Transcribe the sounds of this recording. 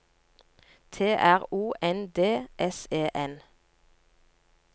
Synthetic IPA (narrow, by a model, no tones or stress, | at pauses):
t̪ʰeːʔæʁuːʔɛnd̪eːʔɛseːʔɛn